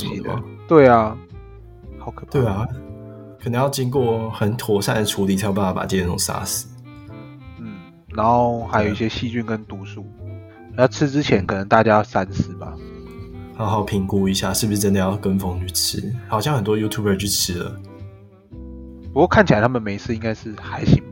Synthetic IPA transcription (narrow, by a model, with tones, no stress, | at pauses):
ə˨m̰˥˨˦t̪we˥˩ɪa˨˩ | hɑ˨˩˦kʰt̪we˥˩a˩ | kʰə˨˩nə˧˥ŋjɑ˥˧ʊt͡ɕi˦˥ŋkwɔ˥˩xə˨˦nt̪ʰwɔ˨˩sa˥˩nə˨ʈ͡ʂʰu˧˥li˨˩t̪ʰa˥˩jba˥˧˩fa˥pa̰˨t͡ɕ̪i˥˧˨n˥˩ʊ˨˩ŋsa̰˥s̩˨˩ | n̩˥˩ | na˧˦˥nxo˥˩ʊxa˧˥ɪjo˨˩ʊi˩ɕjɛ˦˥ɕi˥˧t͡ɕy˥˩nkə˦nt̪u˧˥ʂu˥˩˨ | jʈ͡ʂʰɻ̩˥˦˥ʈ͡ʂɻ̩˦˥t͡ɕʰjɛ˨˧˦nkʰɤ˨˩nə˧˦ŋt̪a˥˩t͡ɕja˥jɑ˥˨˩ʊsa˥nsɹ̩˥bɐ̰˨ | hɑ˧˥ʊxɑ˨˩ʊpʰi˧˥ŋku˦i˧˥ɕja̰˥˨ʂɻ̩˥˩bu˩ʂɻ̩˥˧˩ʈ͡ʂə˥nd̪ə˨˩jɑ˥˩ʊkə˥˦nfo˧˥ŋny˨˩t͡s̩ʰ˥xɑ˨˩ʊɕjɑ˥˧ŋxə˨˩nt̪wɔ˥˦ju˥t̪ʰu˥˩bə˞˨˧t͡ɕy˥˩t͡s̩ʰ˥lə̰˨ | pu˧kwɔ˥˩kʰa˥˩nt͡ɕʰi˨a˨˦t̪ʰa˥mə˨˩me˨˥ɪsʰɹ̩˥˧i˥ŋka˥ɪʂɻ̩˥˩xa˧˥˦ɪɕi˧˥ŋ